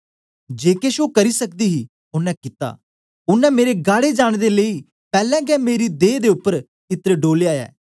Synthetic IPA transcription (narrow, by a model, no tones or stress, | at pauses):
d͡ʒeːkeʃoːkəɾiːsək̚d̪iːɦiː | ʊnɛ̃ːkɪt̪a̰ː | ʊnːɛ̃ːmeːɾeɡaːɽeːd͡ʒaːɽ̃d̪eːləiː | pɛːlɛ̃ːɡɛːmeːɾiːd̪eːd̪eːʊpːəɾ | ɪt̪ɾeɖoːleaːjɛ̰ː